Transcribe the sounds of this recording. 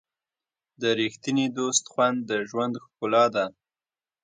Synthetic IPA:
d̪əɾixt̪inid̪ost̪xwand̪ːəʒwand̪xkulɑd̪a

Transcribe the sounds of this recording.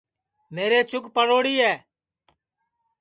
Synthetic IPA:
meːɾeːt͡ʃʊkpəɽoːɽiːɛː

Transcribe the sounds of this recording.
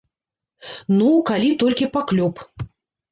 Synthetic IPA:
nukalʲit̪ɔlʲkʲipaklʲɔp

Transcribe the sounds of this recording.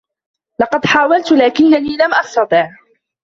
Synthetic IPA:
lɑqɑd̪ħaːwalt̪laːkɪnːaniːlamʔɑsˤt̪ɑt̪ˤiːʕ

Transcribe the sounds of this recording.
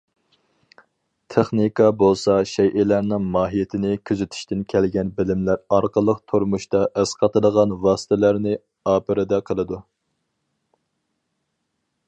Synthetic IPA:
t̪ʰeχnikʰɑbolˠsɑʃɛjʔɪlæɾnɪŋmɑːɦijet̪ʰɪnɪkʲʰyzyt̪ʰy̥ʃt̪ɪnkʲʰælɡʲɛnbɪlɪmlæɾɑɾqəlˠəqt̪ʰoɾmuʃt̪ɑʔɛsqʰɑt̪ɨd̪əʁɑnwɑːsɨ̥t̪ʰɪlæɾnɪ | ɑːpɨɾɪd̪ɛqʰəlˠɨd̪u

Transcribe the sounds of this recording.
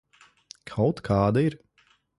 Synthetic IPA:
kʰawt̪kʰaːd̪aiɾ

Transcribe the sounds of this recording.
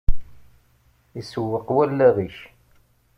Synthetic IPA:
isəwːəqwælːæðiç

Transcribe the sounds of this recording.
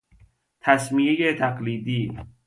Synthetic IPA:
t̪ʰæsmiejet̪ʰæqliːd̪iː

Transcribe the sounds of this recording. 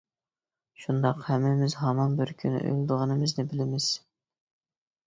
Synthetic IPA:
ʃund̪ɑqhɛmːɪmɪzɦɑmɑnbɪɾkʲʰyny̰ʔø̰lˠd̪ʊʁənɨmɪznɪbɪlɪmɪz̥

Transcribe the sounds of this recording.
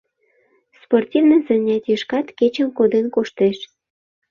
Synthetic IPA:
sportʲivnəzə̆nʲɑt̪jəʃkɑt̪ket͡ɕə̆mkod̪enkoʃt̪eʃ

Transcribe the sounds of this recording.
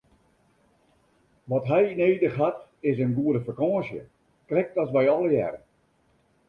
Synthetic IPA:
ʋɔtɦɛjineːdəxɦatɪs̬ənɡuədəfakɔ̃ːsjə̰ | krɛk̚tɔsʋɛjɔlˠəjɛ̰ɾə

